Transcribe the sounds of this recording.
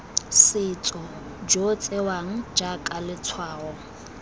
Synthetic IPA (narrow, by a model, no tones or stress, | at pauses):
sɪt͡sʼɔ | d͡ʒot͡sʼewaŋ̩d͡ʒakʼalɪt͡sʰwaːɣɔ